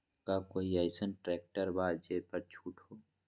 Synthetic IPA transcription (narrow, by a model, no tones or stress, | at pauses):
kakoːiaɪsənʈɾɛːk̚ʈəɾbaːd͡ʒeːpəɾt͡ʃʰuːʈɦoː